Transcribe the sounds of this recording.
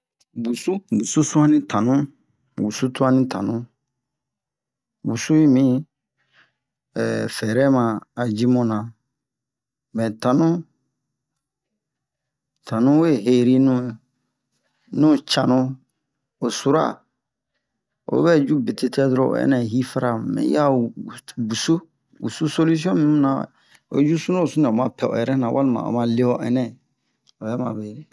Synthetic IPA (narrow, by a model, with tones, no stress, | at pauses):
bu˨su˦bu˨su˦sũ˦ã˦nĩ˦tʰã˨nũ˦ | bu˨su˦tu˦ã˦nĩ˦tʰã̰˨nũ˦ | bu˨su˦ji˦mĩ˦ | ɛ˨fɛ˨ɾɛ˦mã˨a˨d͡ʒi˦mɔ̃˦nã˨ | mɛ̃˨tã˨nũ˦ | tʰã˨nũ˦we˦˨ɦe˨ɾi˦nũ˦˨ | nũ˦t͡ʃã˨nũ˦ | o˨su˨ɾa̰˦˨ | o̰˨˦bɛ˦d͡ʒu˦be˨te˦tɛ˦dɾo̰˦˨ɛ̰˦nɛ̃˦˨ɦi˦fa˦ɾa˨mɛ̰̃˨˦ja˦˨ | bu˨su˦ | bu˨su˦so˦lu˦s̬iɔ̃˦mĩ˦mũ˦nã˨ | o̰˦d͡ʒu˦su˦nõ˦o˨su˦nĩ˨ɔ˨mã˨pɛ˨ɔ̰˨jɛ˨ɾɛ˦nã˨wa̰˦lmã̰˨o̰˨mã˦le˦ɔ˦˨ʔɛ˦nɛ̃˦ | o˨jɛ˦mã̰˨be˨ɾe˨